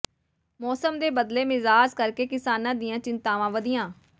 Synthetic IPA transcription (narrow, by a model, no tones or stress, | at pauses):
mɔːsəmd̪eːbəd̪leːmɪzaːd͡ʒkəɾkeːkɪsaːnãːd̪ijãːt͡ʃɪnt̪aːʋãːʋəd̪ɪjãː